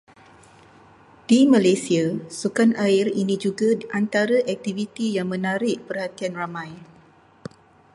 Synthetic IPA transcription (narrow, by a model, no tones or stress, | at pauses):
d̥imãlajsiasukanaɪrinĩd͡ʒuɡaʔant̪aɾaʔɛk̚t̪ivit̪ijaŋmə̃naɾɪʔpərhat̪ianramãj